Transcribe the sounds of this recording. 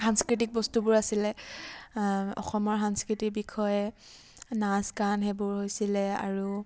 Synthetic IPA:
sanskɹitik̚bɔstubʊɹasilɛ | ɔ̰xɔmɔɹɦanskɹitikbikʰɔjɛ | naskanɦɛbʊɹhojsilɛa̰ɹu

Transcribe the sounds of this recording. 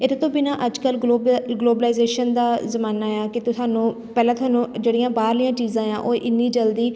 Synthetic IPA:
et̪ːt̪õːbɪnãːʔəd͡ʒkəlɡoːɡloːbəlaːzeːʃənd̪aːzəmaːnaːjaːkɪt̪ʊsaːnũː | pɛːlãːt̪ʊaːnũːd͡ʒeːɽɪjãːbaːɾlijãːt͡ʃiːzãːjãːʔoːʔɪnːiːd͡ʒəld̪iː

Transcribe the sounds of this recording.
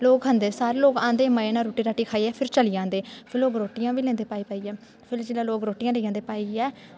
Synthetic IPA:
loːkɦənd̪eːsaːɾeːloːkãːnd̪eːmaenaːɾoːʈiːɾaːʈiːkʰaːiːɛːpʰɪɾt͡ʃəliːãːnd̪eːpʰɪɾloːkɾoːʈɪjãːʋiːlɛ̃ːnd̪eːpaːiːpaːiːɛː | pʰɪld͡ʒɪlaːloːkɾoːʈɪjãːleiːãːnd̪eːpaːiːɛː

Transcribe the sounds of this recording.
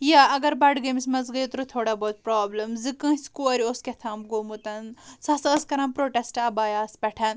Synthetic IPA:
jaɐɡɐɾbɐɖɡɐmisʲmɐzɡɐjit̪ɾut̪ʰoːɽaboːt̪pɾaːblɐmzɨkɐ̃ːskuɐɾʲioskʲet̪ʰɐːmɡoːmut̪ɐnsɐsɐskɐɾɐnpɾoːʈesʈɐbaːjaːspʲɐʈʰɐn

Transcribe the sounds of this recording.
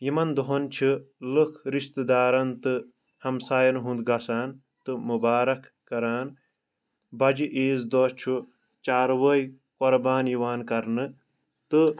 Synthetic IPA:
jimɐnd̪oɦɐnt͡ʃʰɨlɨkʰɾiʃt̪d̪aːɾɐnt̪ɨ | hɐmsaːjɐnɦũnd̪ɡɐsaːn | t̪ɨmubaːɾɐkːɐɾaːn | bɐd͡ʒiʔeːzd̪ot͡ʃʰu | t͡ʃaːɾʋəj | qoɾbaːnjiʋaːnkɐɾnɨ | t̪ɨ

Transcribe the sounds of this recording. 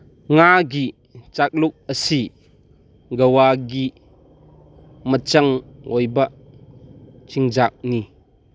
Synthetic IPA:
ŋaɡiʔ | t͡ʃak̚luk̚əsi | ɡɐwaɡi | mət͡ʃɐŋʔɔjbɐʔ | t͡ʃʰiŋzak̚ni

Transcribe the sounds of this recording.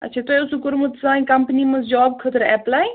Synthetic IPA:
ɐ̰tːt͡ʃʰat̪ojʊsukʊɾmət̪ʰsãːĩkɐmpnimɐ̃zd͡ʒɔːb̚kʰət̪əɾɛplaːj

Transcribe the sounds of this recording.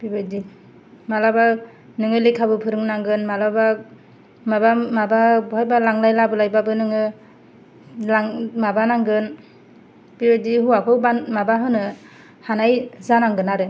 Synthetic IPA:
bibɯdi | malaba | nɯŋɯlekʰabɯpʰɯɾɯŋnaŋɡɯnmalaba | mabamababuɦajbalaŋlajlabɯlajbabɯnɯŋɯ | laŋmabanaŋɡɯn | b̥ibɯdiɦuakʰɯwbanmabaɦɯnɯ | hanajzanaŋɡɯnaɾɯ

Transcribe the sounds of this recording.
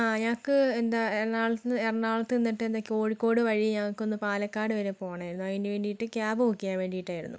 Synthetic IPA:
aːɲaŋɐkːɨend̪aenaːɭɐt̪ɨerɐnːaːɭɐt̪ːɨenːiʈːɨend̪ɐkːo̞ːɻikːo̞ːɽɨʋɐɻijiɲaŋɐkːo̞nːɨpaːlɐkːaːɽɨʋɐɾepo̞ːɐɳaːjɾunːuɐðindeʋe̞ːɳɖijiʈːɨkʲjaːbɐʋukːijaːnʋe̞ːɳɖijiʈːaːjiɾṵnːṵ

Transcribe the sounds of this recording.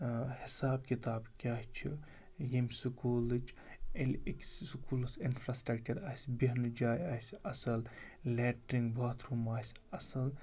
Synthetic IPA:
hisaːb̚kit̪aːbkʲaɦt͡ʃʰi | jemʲsukuːlɨt͡ʃʰelikssukuːlsinfɾaːsʈɾɐkt͡ʃɐɾaːsbiɦnd͡ʒaːjaːsʲɐsɐl | leːʈɾiŋɡbʱaːt̪ʰɾumaːsʲɐsɐl

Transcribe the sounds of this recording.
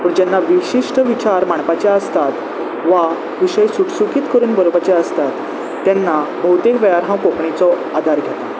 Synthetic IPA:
məɳd͡ʑɛnːaʋiɕiʂʈəʋit͡ɕaɾmaɳpat͡ɕeəst̪at̪ | ʋa | ʋiɕəjsuʈsukiːt̪kəɾuːnbəɾobat͡ɕeəst̪at̪ː | janːabʱəwt̪ekʋɛjaɾɦãwkokɳit͡sɔ | ad̪ʱaɾɡʱɛt̪a

